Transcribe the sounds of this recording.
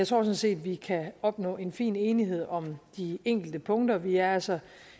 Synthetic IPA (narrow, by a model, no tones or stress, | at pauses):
ɑt͡sʰʁo̝ɐsɒ̽nse̝̰ːd̥ʋikʰæɒ̽b̥nɔ̰̽ːe̝nfḭːne̝ːniɦe̝ð̞̰ˠɒ̽md̥ieŋ̰ɡ̥l̩d̥əpʰɔ̽ŋd̥ɐʋiæɐælsɒ